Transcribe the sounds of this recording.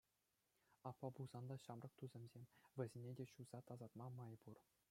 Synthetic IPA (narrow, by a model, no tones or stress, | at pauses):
ɑpːɑbuz̥ɑnd̪ɑɕɑmrɤ̆k̚t̪uzʲɘ̆mʲzʲemʲʋʲɘ̆zʲenʲedʲeɕuz̥ɑt̪ɑzɑt̪mɑmɑjbur